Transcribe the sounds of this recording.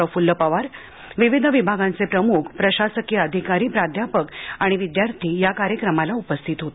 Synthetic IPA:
əfulːəpaʋaɾ | ʋiʋid̪ʱəʋibʱaɡãnt͡sepɾəmukʰpɾəɕasəkjiəd̪ʱikaɾiːpɾad̪ʱjapəkaɽ̃iʋid̪jaɾt̪ʰiːjakaɾjəkɾəmalaupəst̪ʰiːt̪ɦot̪

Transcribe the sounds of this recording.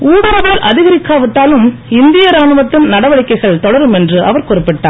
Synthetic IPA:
uːɽɐɾɐʋɐɽɐlʔɐðɪɣɐɾɪkːaːʋɪʈːaːlɯmɪnd̪ɪjɐɾaːɳɯʋɐt̪ːɪnnɐɽɐʋɐɭɪkːɐɪɣɐɭt̪ɔɽɐɾɯmɛndrɯʔɐʋɐɾkɔrɪpːɪʈːa̰ː

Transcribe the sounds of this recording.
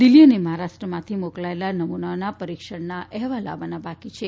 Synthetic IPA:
d̪ɪlːijəneməɦaɾaʃʈɾəmãt̪ʰimoklaelanəmunaonapəɾikʃəɽnaʔɛɦʋala̰ʋanabakit͡ʃʰe

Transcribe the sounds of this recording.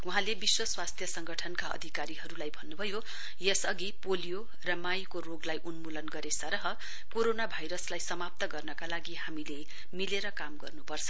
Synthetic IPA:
uɦãlebiswʌswast̪ʰjʌsʌŋɡʌʈʰʌnkaʌ̰d̪ʱikaɾiɦʌɾulajbʱʌnːubʱʌjo | jesʌɡipolijo | rʌmajkoroɡlajʔunmulʌnɡʌɾesʌɾʌɦʌ | koɾonabʱajɾʌslajsʌmap̚t̪ʌɡʌrnʌkalaɡihamile | mileɾʌkamɡʌ̰rnupʌrt͡sʰʌ

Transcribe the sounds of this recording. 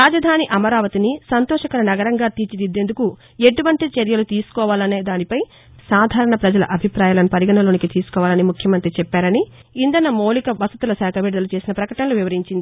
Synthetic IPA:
ɾaːd͡ʒɐd̪ʱaːniʔɐmɐɾaːʋɐt̪inisɐnt̪ɔːʃɐkɐɐnɐɡɐɾɐŋɡaːt̪iːt͡ʃid̪id̪ːe̞nd̪uku | eʈuʋɐɳʈit͡ʃeɾjɐlut̪iːsu̥kɔːʋaːlɐne̞ːd̪aːnipɐj | saːd̪ʱaːɾɐɳɐpɾɐd͡ʒɐlɐ̰ʔɐbʱipɾaːjalɐnɐpɐɾiɡɐnɐlo̞ːnikit̪iːsu̥kɔːʋaːlɐnimukʰjɐmɐnt̪ɾit͡ʃɛpːaːɾɐni | ind̪ɐnɐmo̞ːlikɐbɐsɐt̪ulɐsɛːkʰɐʋiːɽd̪ɐlut͡ʃe̞ːsinɐpɾɐkɐʈɐnɐlouʋiʋɐɾiɲt͡ʃind̪i

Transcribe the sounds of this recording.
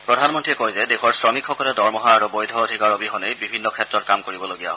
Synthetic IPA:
pɹɔdʱanmɔntɹiɛkojzɛdɛxʰɔɹsɹɔmikxɔkɔlɛdɔɹmɔɦaaɹubɔjdʱɔodʱikaɹobiɦɔnejbibʱinːɔkʰɛtɹɔt̚kamkoɹibɔloɡijaɦɔ

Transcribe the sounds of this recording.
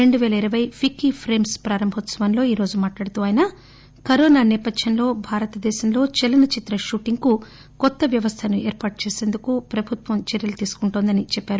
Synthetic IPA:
ɾe̞ɳɖuʋɛːlɐiɾɐʋɐjpʰikːipʰɾeːmspɾaːɾɐmbʱɔt̪sɐʋɐnlo̞ːiːɾo̞ːd͡ʒumaːʈlaːɽut̪uːaːjɐnɐ | kɐɾoːnaːnɛːpɐd̪ʱjɐnlo̞ːbʱaːɾɐt̪ɐd̪ɛːʃɐmlo̞ːt͡ʃɛlɐnɐt͡ʃit̪ɾɐʃuʈiŋku | kɔt̪ːɐʋjɐʋɐst̪ʰɐnueːɾpaːʈ̚t͡ʃeːse̞ːnd̪ukupɾɐbʱut̪ʋɐmt͡ʃeɾjɐlut̪iːsu̥kuɳʈoːnd̪ɐnit͡ʃɛpːaːɾu

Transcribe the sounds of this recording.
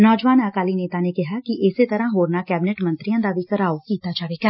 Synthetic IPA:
nɔːd͡ʒʋaːnakaːliːneːt̪aːneːkɪɦaːkɪʔɪseːt̪əɾãːɦoːɾnaːkɛːbɪnɛʈmənt̪ɾɪijãːd̪aːʋiːkəɾaːokiːt̪aːd͡ʒaːʋeːɡaː

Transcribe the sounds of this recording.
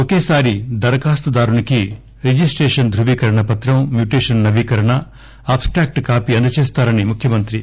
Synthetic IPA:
okeːsaːɾid̪ɐɾɐkaːst̪ɐd̪aːɾuniki | ɾid͡ʒisʈɾeːʂɐnd̪ʱɾuʋiːkɐɾɐɳɐpɐt̪ɾɐmmjuːʈeːʂɐnnɐʋiːkɐɾɐɳɐ | aːpsʈɾaːk̚ʈkaːpiɐnd̪ɐt͡ʃeːst̪aːɾɐnimukʰjɐmɐnt̪ɾi

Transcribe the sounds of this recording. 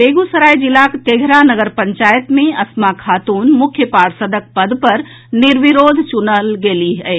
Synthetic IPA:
beɡusəɾajd͡ʒilakt̪eɡʱɾanəɡəɾpəɲt͡ʃaːjət̪mẽɐsmakʰat̪uːnmukʰjəpaɽsəd̪ʱək̚pəd̪ʱpəɾ | niɾʋiɾoːd̪ʱt͡ʃunəlɡeːliɦəɪ

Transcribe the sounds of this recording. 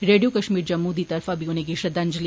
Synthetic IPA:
ɾeːɖijokɐʃmiːɾd͡ʒɐmːud̪ʱit̪ɐɾfabʱiʊnẽɡiʃɐd̪and͡ʒli

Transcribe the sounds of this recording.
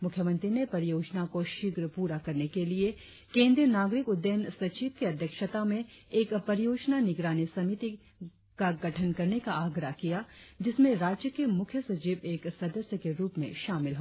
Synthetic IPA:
mʊkʰjəmə̃nt̪ɾinepɐɾɪjoːd͡ʒnakoʃɪɡɾpuːɾakɐɾnekelie | kẽːnd̪ɾiənaːɡɾɪkʊd̪ːəənsɐt͡ʃiːʋkiɐd̪ʱjəkʃət̪amẽeːkpɐɾɪjoːd͡ʒnanɪɡɾaːnisɐmit̪i | kaɡɐʈʰənkɐɾnekaaːɡɾaɦkijad͡ʒɪsmẽɾaːd͡ʒjəkemʊkʰjəsɐt͡ʃiːʋeːksɐd̪əsjəkeɾuːpmḛ̃ʃaːmɪlɦoː

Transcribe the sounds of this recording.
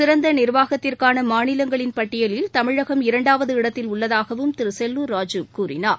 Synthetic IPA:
sɪɾɐnd̪ɐnɪɾʋaːɣɐt̪ːɪrkaːnɐmaːnɪlɐŋɡɐɭɪnpɐʈːɪjɐlɪlt̪ɐmɪɻɐɣɐmɪɾɐɳɖaːʋɐðɯɪɽɐt̪ːɪlʊɭːɐðaːɣɐʋɯmt̪ɪɾɯsɛlːuɾaːd͡ʒɯkuːɾɪnaːɾ

